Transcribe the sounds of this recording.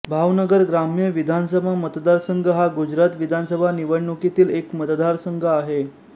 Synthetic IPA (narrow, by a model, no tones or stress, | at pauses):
bʱaʋnəɡəɾɡɾamijəʋid̪ʱansəbʱamət̪d̪aɾsəŋɡʱəɦaɡud͡ʑɾat̪ʋid̪ʱansəbʱaniʋəɽɳukit̪iːlekmət̪d̪aɾsəŋɡʱəaɦe